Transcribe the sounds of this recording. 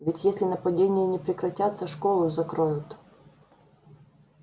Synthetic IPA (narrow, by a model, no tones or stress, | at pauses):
vʲɪtʲjesʲlʲɪnəpɐdʲenʲɪjənʲɪpɾʲɪkɾɐtʲat̪səʂkolˠʊzɐkɾojʊt̪